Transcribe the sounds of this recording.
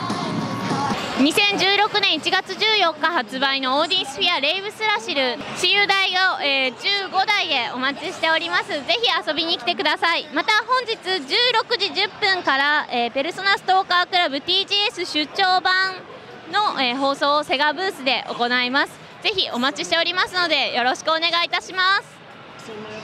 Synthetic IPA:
ɲ̟isẽ̞ɲ̟d͡ʑɨːɾo̞kɯ̟nẽ̞ɰ̃it͡ɕiɡat͡sɨʑɨːjo̞kːahat͡sɨbaino̞oːd̪ʲĩsɨ̥ɸʲiaɾe̞iβɯ̟sɨɾaɕiɾɯ̟ɕijɯd̪aioeːd͡ʑɨːɡo̞d̪aid̪e̞o̞̰mat͡ɕiɕi̥t̪e̞o̞ɾʲimasɨze̞çiaso̞bʲiɲ̟ikʲi̥t̪ekɯ̟d̪asaimat̪aɦõ̞ɲ̟d͡ʑit͡sɨd͡ʑɨːɾo̞kɯ̟ʑiʑɨpːɯ̟̃ŋkaɾaeːpe̞ɾɯ̟so̞nasɨ̥t̪o̞ːkakɯ̟ɾabɯ̟t̪ʲiːʑiːesɨɕɨt͡ɕo̞ːbãn | no̞eːɦo̞ːso̞ːse̞ɡabɯ̟ːsɨd̪e̞ʔo̞̰ko̞naimasɨ̥ | d͡ze̞çʲiʔo̞mat͡ɕiɕi̥t̪e̞o̞ɾʲimasɨno̞d̪e̞jo̞ɾo̞ɕi̥kɯone̞ɡait̪aɕimasɨ̥

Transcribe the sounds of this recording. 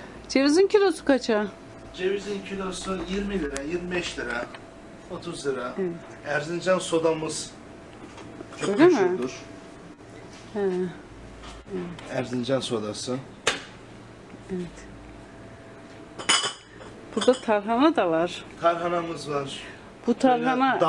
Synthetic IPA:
d͡ʒevizincʰilʲo̞su̥kat͡ʃʰa | d͡ʒevizincʰilʲosujiɾmilʲiɾajiɾmibɛʃlʲiɾa | ot̪ʰuzlʲiɾaevɛt̪ | æɾzind͡ʒanso̞d̪amɯz̥ | ooaʃoad̪uɾ̥ | ɛ | evɛæɾzind͡ʒanso̞d̪asɯ | evɛt̪ | b̥uɾd̪at̪ʰaɾɦanad̪avaɾ̥t̪ʰaɾɦanamɯzvaɾ̥ | b̥ut̪ʰaɾɦana

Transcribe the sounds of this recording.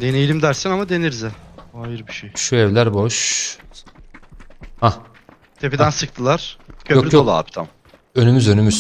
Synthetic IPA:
d̪enejlʲimd̪æɾsænamad̪e̞niɾzɛajiɾbiʃejʃuɛvlʲæɾboʃ | ha | t̪ʰe̞pid̪ænsɯk̚t̪ʰɯlˠaɾ̥cʰøolʲij̪olˠa̰ːpi̥t̪ʰa̰m | ønymyzø̞nymyz

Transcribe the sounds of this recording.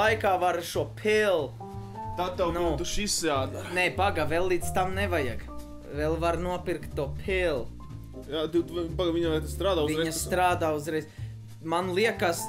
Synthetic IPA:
ajkaːvaɾʃuɔpʲʰelˠ | t̪at̪ːɛwnuit̪uʃisaːd̪nɛpaɡavɛlˠːiːd̪st̪amnevajaɡ | vɛlˠvaɾnuɔpiɾkt̪ːuɔpʰelˠ | jaːt̪ut̪baɡaviɲɐʋajt̪st̪ɾaːd̪aːuviɛɲɐsst̪ɾaːd̪aːuzɾɛjz | manlˠiɛkas

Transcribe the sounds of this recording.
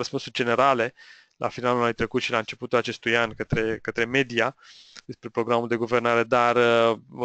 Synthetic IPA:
əspunsurʲd͡ʒe̞ne̞ɾale̞ | lʔa̰finalulanujt̪ɾe̞kut̪ʃilaɨnt͡ʃe̞put̪ulat͡ʃe̞st̪ujanʲkət̪ɾe̞kət̪ɾe̞me̞d̪ia | d̪e̞spɾe̞pɾo̞ɡɾamuld̪e̞ɡuvernaɾe̞d̪arə

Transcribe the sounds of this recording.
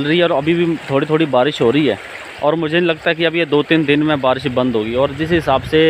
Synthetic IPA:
lɾəɦiɛɔːɾɐbʱibʱit̪ʰoːɽit̪ʰoːɽibaːɾɪʃɦoːɾəɦiɦɛː | ɔːɾmʊd͡ʒʱenilɐɡ̚t̪aɦɛkiɐbʱijed̪oːt̪iːnd̪ɪnmẽbaːɾɪʃbɐ̃nd̪ɦoːɡiɔːɾd͡ʒɪsɦɪsaːbse

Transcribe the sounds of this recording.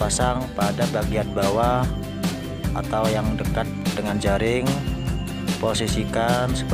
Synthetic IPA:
pasaŋpadabaɡianbawah | a̰t̪awjaŋdəkat̪̚dəŋand͡ʒaɾɪŋ | posisikansə̥k

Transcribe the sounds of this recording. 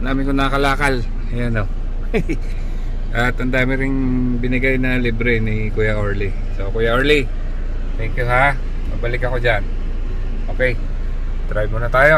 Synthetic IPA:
naːmɪnkonɐkɐlaːkɐl | ɐjano | ʔɐt̪hɐnd̪aːmɪɾɪŋ | bɪnɪɡajnɐlibɾɛnɪ | kuːjɐʔoɹli | sokuːjaoɹli | t̪ɛŋkjʊɦa | mɐ̰ɡ̚bɐlɪkɐko̞d͡ʒan | ʔoːkɛj | t̪ɾajmonɐt̪aːjo̞

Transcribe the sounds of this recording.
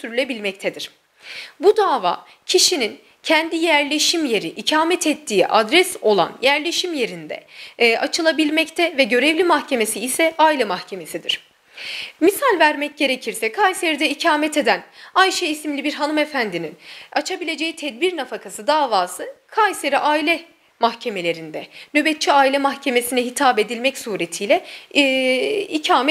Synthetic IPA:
t̪ʰyɾylʲebilʲmɛc̚t̪ʰɛd̪iɾ̥ | bud̪aːva̰ː | cʰiʃinin | cʰɛnd̪ijæɾlʲe̞ʃimje̞ɾiʔicʰaːmɛt̪ʰɛt̪ʰːiːʔad̪ɾɛso̞lˠa̰njæɾlʲe̞ʃimje̞ɾind̪ɛ̰ʔat͡ʃʰɯlˠabilʲmɛct̪ʰɛvɛɟø̞ɾɛvlʲimaxcʰe̞me̞siːsɛailʲɛmaxcʰe̞me̞sid̪iɾ̝̥ | misalʲvæɾmɛc̚ɟe̞ɾe̞cʰiɾsɛkʰajse̞ɾid̪ɛicʰaːmɛt̪ʰe̞d̪ænajʃejisimlʲibiɾɦanumefænd̪ininat͡ʃʰabilʲe̞d͡ʒe̞jit̪ʰɛd̪biɾnafakʰasɯd̪aːvaːsɯkʰajse̞ɾiʔaːilʲɛ | mahcʰe̞me̞lʲe̞ɾind̪ɛnøbɛt̪̚t͡ʃʰːiaːilʲɛmaxcʰe̞me̞sinɛɦit̪ʰaːbe̞d̪ilʲmɛcsuːɾe̞t̪ʰijlʲɛ | icʰaːmɛ

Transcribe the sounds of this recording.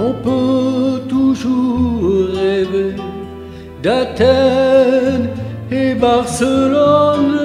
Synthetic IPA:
ɔ̃pøt̪uʒuʁʁeve | d̪at̪ɛ | nebaʁsəlɔn

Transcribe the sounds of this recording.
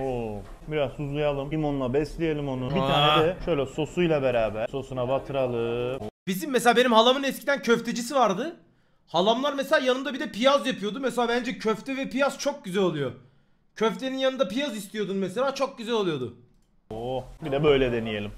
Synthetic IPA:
o | biɾaz̥huzlˠujalˠɯmimonulˠabɛslʲijelʲimo̞nubiaːnnɛd̪ɛʃø̞jlʲɛso̞sujlˠabeɾaːbæɾso̞sunavat̪ʰɯɾalˠɯb̥izimːɛselʲaːbe̞nimhalˠamɯnɛscʰid̪æncʰøft̪ʰed͡ʒis̬ivaɾd̪ɯ | halˠamlˠaɾmeselʲaːjanɯnd̪abid̪ɛpijazjapʰɯjo̞d̪umɛselʲaːbænd͡ʒɛcʰøft̪ʰɛvɛpijast͡ʃʰo̞k̚ɟyzælʲo̞lˠujo | cʰøft̪ʰe̞ninjanɯnd̪apijazist̪ʰijo̞d̪unmɛse̞lʲaːt͡ʃʰo̞k̚ɟyzælʲo̞lˠujo̞d̪ʊ | obid̪ɛbø̞jlʲɛd̪enijelʲim

